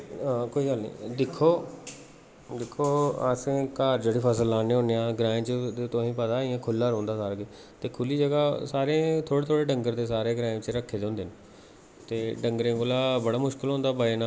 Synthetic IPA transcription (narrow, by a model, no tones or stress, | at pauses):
koːiːɡəlnḭ̃ːd̪ɪkʰːoː | d̪ɪkʰːoːəsẽːkaːɾd͡ʒeːɽiːpʰəs̬əlːãːnẽːɦõːnejãːɡɾãːt͡ʃəd̪et̪õːĩːpəd̪aːijãːkʰʊlːaːɾõːnd̪aːsaːɾɡeː | t̪eːkʰʊliːd͡ʒəɡaːsaːɾẽːt̪ʰoːɽet̪ʰoːɽeːɖəŋɡəɾd̪eːsaːɾeːɡɾaːɪ̃t͡ʃəɾəkʰːeːd̪eõːnd̪eːn | t̪eːɖəŋɡɾẽːkoːlaːbəɽaːmʊʃkɪlɦõːnd̪aːbaːeːnaː